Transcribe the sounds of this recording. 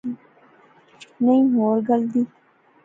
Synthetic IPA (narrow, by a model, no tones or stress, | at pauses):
nɐĩːɦoːɾɡɐld̪iː